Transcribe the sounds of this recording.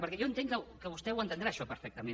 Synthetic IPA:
pəɾkɛewẽnt̪ẽŋkəkəβost̪ɛwent̪end̪ɾaʃɔpəɾfɛk̚t̪amẽ

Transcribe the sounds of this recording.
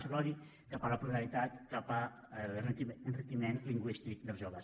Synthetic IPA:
səlɔði | kapələpɾuðalit̪at̪kapə | lrənrit̪imenliŋɡwist̪ik̚d̪əlˠzʒɔɣəs

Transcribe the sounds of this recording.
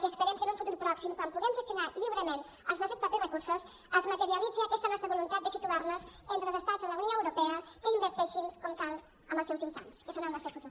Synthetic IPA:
kəspəɾɛmkənũɱfut̪uɾpɾɔksimkwampuɣɛmʒəst̪junaʎiβɾəmen | əlˠznɔst̪ɾspəperəkuɾsos | əzmət̪əɾiəlid͡ziəkɛst̪ənɔst̪ɾəβolunt̪at̪̚d̪əsit̪uaɾnozent̪ɾəlˠzəst̪azðələuwnioəwɾupɛəkəimbəɾt̪ɛʃiŋkɔmk̪alˠ | əmbəlˠsɛwziɱfa̰nskəsonəlˠnɔst̪ɾwfut̪uɾ

